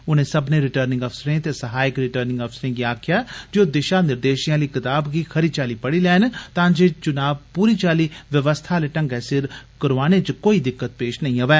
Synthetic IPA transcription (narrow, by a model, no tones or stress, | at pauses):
ʊnẽːsəbnẽːɾɪʈəɾnɪ̃ŋɡɔːpsɾẽːt̪esəɦaːɪkɾɪʈəɾnɪ̃ŋɡɔːpsɾẽːɡiaːkʰɪjaːd͡ʒoːd̪ɪʃaːnɪɾd̪eːʃijãːləiːkɪt̪aːbɡiːkʰəɾiːt͡ʃaːliːpəɽiːlɛːnt̪ãːd͡ʒeːt͡ʃʊnaːb̚puːɾiːt͡ʃaːliːʋjəʋəst̪ʰaːleːʈə̃ŋɡɛːsɪɾkəɾʋaːneːt͡ʃkoːiːd̪ɪkːət̪̚peːʃnəĩːɦoʋɛː